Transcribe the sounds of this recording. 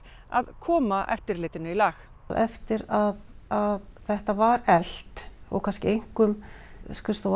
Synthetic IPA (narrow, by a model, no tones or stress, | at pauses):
a̰ðkʰɔːmaʔɛ̰ft̪ɪɾlɪːt̪ɪnʏilaːx | ðɛft̪ɪɾaðaðθɛht̪avaɾɛl̥t̪ɔ̰ɣkʰanscɪejŋ̥kʏmskʏst̪o